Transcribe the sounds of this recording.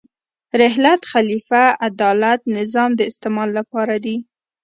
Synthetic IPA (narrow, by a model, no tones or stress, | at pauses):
ɾɪɦlat̪xalifaad̪ɑlat̪nɪzɑmd̪əɪst̪ɪmɑlːapɑɾad̪i